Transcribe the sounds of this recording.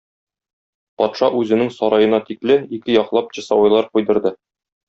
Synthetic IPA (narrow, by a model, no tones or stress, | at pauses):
pɒt̪ʃɑʔʉzɘ̆nɘŋsɒɾɑjɤ̆nɑt̪iklɘnikɘjɒqlˠɑpʑɤ̆sɑwɑjlˠɑɾqujd̪ɤ̆ɾd̪ɤ